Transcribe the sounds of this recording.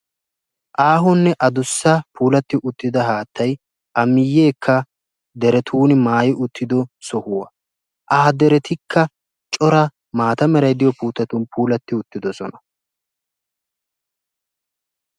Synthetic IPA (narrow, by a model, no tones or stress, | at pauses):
ʔaːɦɔnːɛʔɐd̪ʊsːɐpʰuːlɐt̪ːɪʔʊt̪ːɪd̪ɐɦaːt̪ʰːɐj | ʔɐmɪjːe̞ːkʰːɐ | d̪ɛɾɛt̪ʰuːnɪmaːjɪʔʊt̪ːɪd̪ɔsɔhʊwɐ | ʔaːd̪ɛɾɛt̪ɪkʰːɐ | t͡ʃʼɔɾɐ | maːt̪ɐmɛɾɐjd̪ɪjɔpuːt̪ːɐt̪ʊnpʰuːlɐt̪ːɪʊt̪ːɪd̪ɔsɔnɐ